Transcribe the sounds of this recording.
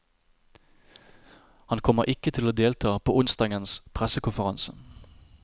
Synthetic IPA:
hɑnkʰɔməʁʔɪkət̪ʰɪloːd̪eːlt̪ʰɑːpʰo̰ːʔʊnst̪ɑːɡənspʰʁɛsəkʰʊnfəʁɑnsə̥

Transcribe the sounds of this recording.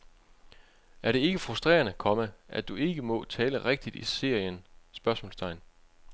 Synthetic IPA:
æɐɾe̝e̝ɡ̥əfʁusd̥ʁḛːɐnəkʰɒ̽məʔæd̥ue̝ɡ̥əmɔ̽t͡sʰɛːləʁeɡ̥̚d̥id̥ḭse̝ɐ̰jənsb̥ɶɐsmɔ̰lst͡sʰɑ̈ɪn

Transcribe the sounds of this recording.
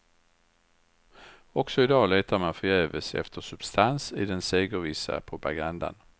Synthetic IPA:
ɔksɔɪd̪ɑːleːt̪ʰaɾmanfœɾjøːvəsɛ̰ft̪ʰəʂɵb̥st̪ʰansɪd̪ɛnseːɡəɾvɪsa̰pʰɾʊpaɡand̪a̰n

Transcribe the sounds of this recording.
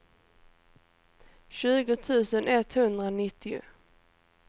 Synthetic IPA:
ɕʉ̟ːɡʊt̪ʰʉ̟ːsənɛt̪hɵnd̪ɾaɔnɪt̪ʰːɪʊ̰

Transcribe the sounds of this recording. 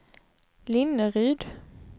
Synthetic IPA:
lɪnəʁyːd̪

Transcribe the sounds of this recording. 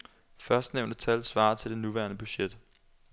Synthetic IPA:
fɶɐsd̥neʊ̰nd̥ət͡sʰælsʋɑ̰̈ːt͡sʰe̝ld̥e̝nuʋæɐnəb̥yɕed̥

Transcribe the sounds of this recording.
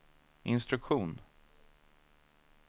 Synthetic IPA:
ʔɪnst̪ɾɵkɧuːn

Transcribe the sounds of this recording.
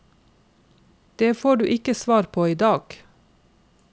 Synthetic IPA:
d̪̥eːfoːɖʉ̰ːʔɪkəsʋɑːɾpʰoːiːd̪ɑːɡ̥

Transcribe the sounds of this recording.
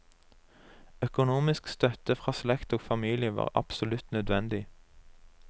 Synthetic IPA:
œkʊnuːmɪskst̪œt̪əfʁɑːslɛkt̪oːɡfɑmiːlɪəʋɑ̰ːʁɑ̰psʊlʉt̪nœd̪ʋɛnd̪ɪ

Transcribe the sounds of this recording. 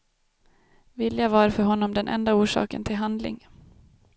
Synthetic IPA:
vɪljavaːɾfœɾɦɔnːɔmd̪ɛnʔɛ̰nd̪auːʂɑ̰ːkə̰nt̪ʰɪlɦand̪lɪ̰ŋ

